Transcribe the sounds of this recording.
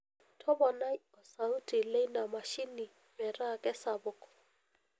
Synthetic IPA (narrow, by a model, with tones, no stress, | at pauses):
tʰɔ˦bɔ˨na˦ɔ˨sa˨u˦tʼi˨le˦na˨ma˨ʃi˦ni˨ | mɪ˨ra˦˨kʼɛ˦sa˨bʊ˦kʼɔ̥˨